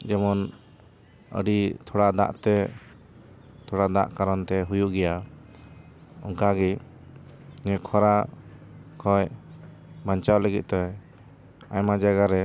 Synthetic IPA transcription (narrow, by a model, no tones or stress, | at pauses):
d͡ʒɛmɔn | ə̰ɖit̪ʰɔɽad̪a̰ʔt̪ɛ | t̪ʰɔɽad̪a̰ʔkaɾɔnt̪ɛɦujuʔɡɛja | ɔ̰ŋkaɡi | ɲɛkʰɔɾa | kʰɔj | maɲt͡ʃawləɡit̪̚ˀt̪ɔj | ajmad͡ʒaɡaɾɛ